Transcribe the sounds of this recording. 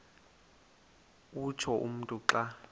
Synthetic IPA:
ut͡ʃʰɔʔṵm̩tʼuǁa

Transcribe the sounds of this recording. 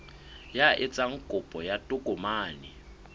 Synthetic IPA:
jaʔɪt͡sʼaŋ̩kʼʊpʼɔjatʼʊkʼʊmaːnɪ

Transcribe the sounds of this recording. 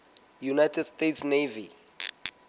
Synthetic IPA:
junajtʰɛdstetʰsnevi

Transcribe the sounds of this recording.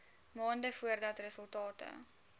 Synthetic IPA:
mɑːndəfuərdɐtrəsəlˠtɑːtə̰

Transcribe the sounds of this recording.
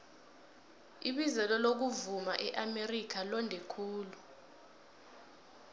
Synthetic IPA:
iɓizɛlɔlok̬uvumaʔɛʔamerik̬ʰalɔndʱekʰuːlu

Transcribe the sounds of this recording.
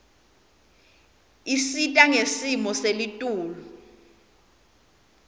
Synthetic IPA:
isitʼaŋesimɔselitʼuːlɔ

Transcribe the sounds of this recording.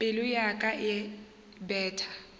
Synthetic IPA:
pʼɪlʊjakʼajɛ | bɛːtʰḁ

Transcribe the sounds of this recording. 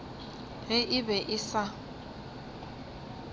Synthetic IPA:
ɣɪʔɪbɛʔɪsa

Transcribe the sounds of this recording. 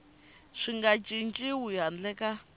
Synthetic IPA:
ʂiŋɡat͡ʃʼint͡ʃʼiwuɦand͡ɮɛka

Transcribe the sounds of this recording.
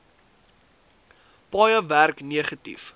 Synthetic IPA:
pɑːjɐværkniəχətḭf

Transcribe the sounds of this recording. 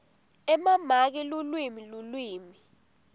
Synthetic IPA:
ɛmamak̬ɛlulwimilulwiːmi

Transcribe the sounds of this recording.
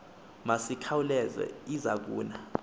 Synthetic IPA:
masikʰawulɛzɛ̰izak̬ṵːna

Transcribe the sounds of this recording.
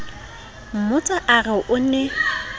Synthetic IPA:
m̩mʊt͡sʼaʔarɛʔʊnɛ

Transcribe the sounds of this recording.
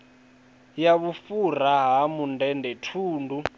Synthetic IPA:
jaβufur̤aɦamundʱɛndʱetʰuːndʱu

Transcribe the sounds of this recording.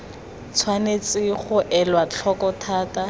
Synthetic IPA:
t͡sʰwanet͡sɪχʊʔɛlwat͡ɬʰɔkɔtʰaːta

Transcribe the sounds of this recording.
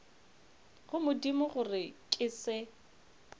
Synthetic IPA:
χʊmʊdimʊχʊrɪkʼɪse

